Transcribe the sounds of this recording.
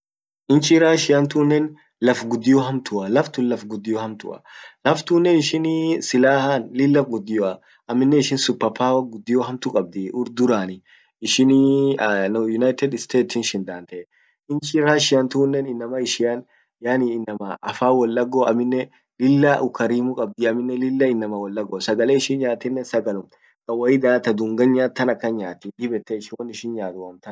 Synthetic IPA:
ʔɪnt͡ʃɪɾaːʃɪjɐnt̪uːnːɛn | lɐfɡʊd̪ːɪjɔɦɐmt̪ʊɐlɐft̪ʊnlɐfɡʊd̪ːɪjɔhɐmt̪ʊ̰ʔɐ̰lɐft̪uːnːɛnɪʃɪnsɪlaːhɐnlɪlːɐfɡʊd̪ːɪjɔɐ | ɐmːɪnːɛɪʃɪnsʊpːɐpːaːwɐɡʊd̪ːɪjɔɦɐmt̪ʊkʼɐb̚d̪ɪʔʊɾd̪ʊɾaːnɪ | ɪʃɪn | njʊnɐjt̪ɛd̪ɪst̪eːt̪ɪnʃɪnd̪aːnt̪ɛ | ɪnt͡ʃɪɾaːʃɪjɐnt̪ʊːnːɛnɪnːɐmɐɪʃɪjan | jaːniɪnːɐmɐʔɐfaːwɔlːɐɡːoɐ̰mːɪnːɛ | lɪlːɐʔʊkɐɾiːmʊkʼɐb̚d̪ɪɐmɪnːɛlɪlːɐɪnːɐmɐwɔlːɐɡosɐɡɐleɪʃɪnɲaːt̪ɪnːɛsɐɡɐlʊm | kʼɐwɐɪd̪aːt̪ɐd̪ʊŋɡɐɲːaːt̪ːɐnɐkːɐnɲaːt̪ɪd̪ɪbɛt̪ːɛɪʃɪnwɐnɪʃɪnɲaːt̪ʊwɐmt̪ɐn

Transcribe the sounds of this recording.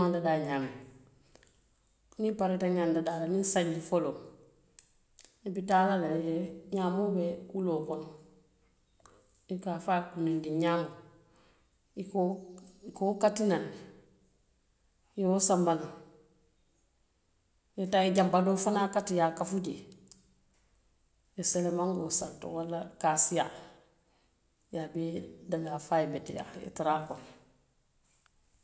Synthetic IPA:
andadaːɲaːme | nipaɾitaɲandadaːlaninsaɲːifolo | ibitaːlalejɛɲaːmobɛuloːkɔn | ikafakunindiɲaːmo | ikokokatinan | jiwosambana | jetaiɟambadofanakatijakafuɟe | jeselemaŋɡosanto̰walːakasija | jabidaɡafajibetija̰ḭtiɾakon

